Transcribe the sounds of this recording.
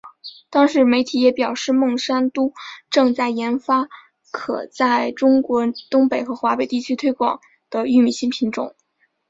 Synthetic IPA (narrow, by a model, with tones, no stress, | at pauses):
t̪ɑ˥ŋʂɻ̩˧˥me˧˥ɪt̪ʰi˨˥jɛ˧˥pjɑ˨˩ʊʂɻ̩˥˧mɤ˥˩ŋʂa˥nt̪u˥ʈ͡ʂɤ˥˧ŋt͡sa˥˩ɪjɛ˧˥nfa˥ | kʰɤ̰˨˩t͡sa˥˩ɪʈ͡ʂʊ˥ŋkwɔ˧˥t̪ʊ˥ŋpe˨˩ɪxɤ˧˥xwa˧˥pe˨˩ɪt̪i˥˩t͡ɕʰy˥t̪ʰwe˥ɪkwɑ̰˨˩˦ŋ | d̪̥ə˧y˥˩mi˨˩ɕi˥˩ŋpʰi˧˥ŋʈ͡ʂʊ̰˨˩˦ŋ